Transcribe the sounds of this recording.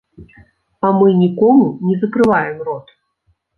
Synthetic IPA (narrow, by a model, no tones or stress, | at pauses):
amɨnʲikɔmunʲɛzɐkɾɨvajɛmrɔt̪